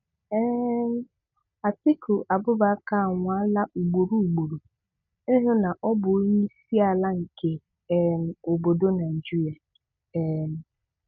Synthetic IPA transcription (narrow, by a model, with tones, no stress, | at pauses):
ɛ˦m˦ | a˨tɪ˦kʰu˨ʔa˨bʊ˦ba˦ka˦˨ŋʷa˦la˦ʔu˨ɡ͡bo˨ɾu˦u˨ɡ͡bo˨ɾo˨ | i˦ɦʊ˦na˨ʔɔ˦bʊ˨˦ɲi˦si˦a˨la˦ŋ̩˨ke˨ | m̩˨o˨bo˨do˦na˨d͡ʒi˦ɾi˨a˨ | ɛ˨m̩˨